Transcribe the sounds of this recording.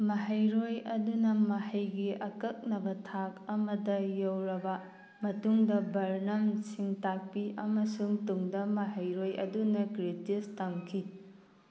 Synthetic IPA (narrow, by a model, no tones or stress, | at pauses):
mɐɦɐjɾojɐdunɐmɐhɐjɡiʔɐkɐk̚nɐbɐtʰak̚ɐmɐdɐjɐwɾɐbɐ | mɐtuŋdɐbɐɾnɐmsiŋtak̚piʔɐmɐsuŋtuŋdɐmɐɦɐjɾojɐ̰dunɐkɾitistɐŋkʰi